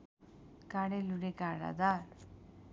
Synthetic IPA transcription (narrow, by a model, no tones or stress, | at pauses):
kaɽeluɽekaɾa̰d̪a